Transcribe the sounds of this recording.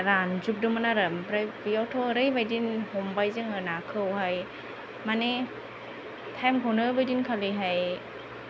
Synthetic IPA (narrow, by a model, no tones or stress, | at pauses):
ɾanzup̚dɯmanaɾɯmɾabijawtʰoɾɯjbajdinhombajzɯŋɯnakʰɯwɦaj | mane | t̪ʰɛmkʰownɯbɯjdinkʰaliɦaj